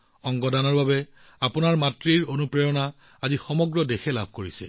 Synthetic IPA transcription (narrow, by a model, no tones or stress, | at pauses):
ɔŋɡɔdanɔɹbabɛ | apʊnaɹmatɹiɹonupɹejɔna | azixɔmɔɡɹɔdexɛlabʱkoɹisɛ̰